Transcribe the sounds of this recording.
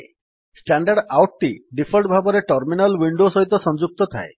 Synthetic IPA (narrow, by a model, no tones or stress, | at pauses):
sʈaɳɖaɖawʈ̚t̪iɖipʰɔlʈbʱabɔɾeʈɔɾminalwiɳɖosɔɦit̪ɔsɔnd͡ʒuk̚t̪ɔt̪ʰae